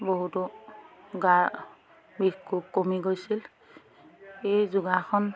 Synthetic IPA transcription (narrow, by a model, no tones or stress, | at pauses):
boɦutɔ | ɡa | bikʰːup̚komiɡojsil | ejzuɡaxʰɔn